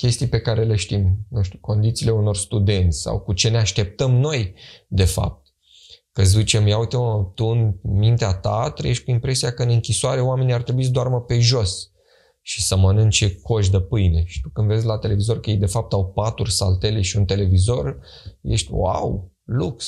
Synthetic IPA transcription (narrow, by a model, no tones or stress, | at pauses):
kʲe̞st̪ijpe̞kaɾe̞leʃt̪imnuʃt̪ʲu̥ko̞nd̪it̪siːle̞uno̞rst̪ud̪e̞nt̪sʲsa̰wkut͡ʃe̞ne̞aʃt̪e̞p̚t̪əmno̞jd̪e̞fa̰p̚t̪̚ | kəzzit͡ʃemjawut̪t̪uɨnmint̪eat̪at̪ɾə̰jeʃt̪̚ʲkuimpɾe̞siakəɨnɨŋkʲisoaɾe̞oame̞nʲiart̪ɾe̞buis̬d̪oarməpe̞ʒo̞s | ʃi̥səmənɨnŋt͡ʃeko̞ʃ̬d̪əpɨjne̞ʃi̥t̪ukɨnd̪ve̞zʲlat̪e̞le̞vizo̞rkəjejd̪e̞fap̚t̪awpat̪urʲsa̰lt̪e̞le̞ʃiunt̪e̞le̞vizo̞r | je̞̰ʃt̪ʲwa̰w | luks